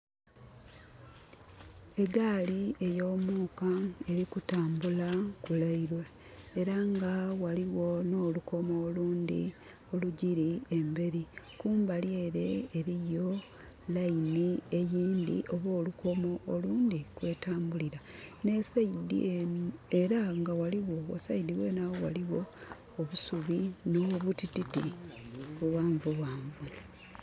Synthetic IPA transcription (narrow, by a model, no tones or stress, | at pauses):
e̞ɡaːlie̞jo̞ːmuːkae̞ɾikutaːmbulakulaiɾweː | ɾaŋɡawaliwo̞no̞ːluko̞moːluːndḭ | o̞luɟiɾiembe̞ɾikuːmbalje̞ːɾe̞ːɾijo̞ | lainie̞jiːndḭʔoβwo̞ːlukʰo̞moːluːndikwe̞ːtaːmbuliɾa | ne̞saidieeɾaŋɡawaliwo̞wo̰saidiwenawowa̰liwo̞ː | βusuβinoβutititḭ | βuwaːɱvuβwaːɱvu